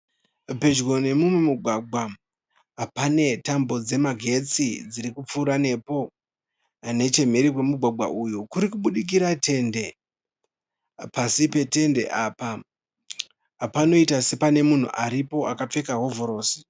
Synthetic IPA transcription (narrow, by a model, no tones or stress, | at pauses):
pe̞d͡ʒɡo̞ne̞mumwemuɡʱwaɡʱwa | pane̞tambo̞d͡ze̞maɡʱe̞t͡sid͡ziɾikup͡fuːɾane̞po̞ | ne̞t͡ʃe̞me̞ɾikwe̞muɡʱwaɡʱa̰ʔujukuɾikuɓuɗik̬iɾatʰe̞nde̞ | pasipe̞te̞nde̞̰ʔaːpa | pano̞itase̞pane̞mun̤ṵʔaɾipo̞akap͡fe̞kaɦo̞vʱo̞ɾo̞ːsi̥